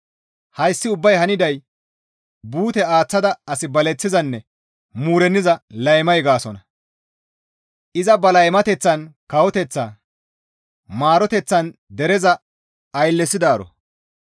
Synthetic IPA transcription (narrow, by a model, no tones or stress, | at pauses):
hɐjsːɪʊbːɐjhɐnɪd̪ɐj | buːt̪ɛaːt͡sːɐd̪ɐɐsɪbɐlɛt͡sːɪzɐnːɛ | muːɾɛnːɪzɐlɐjmɐjɡaːsɔnɐ | ʔɪzɐbɐlɐjmɐt̪ɛt͡sːɐnkɐwɔt̪ɛt͡sːaː | maːɾɔt̪ɛt͡sːɐnd̪ɛɾɛzɐː | jlːɛsɪd̪aːɾɔ̰